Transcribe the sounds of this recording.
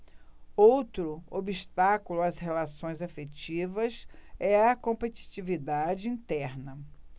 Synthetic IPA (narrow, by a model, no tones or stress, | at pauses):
owt̪ɾʊobist̪akulʊashelasõj̃zafet͡ʃivɐsɛɐkõmpet͡ʃi̥t͡ʃivid̪ad͡ʒɪĩnt̪ɛɾnɐ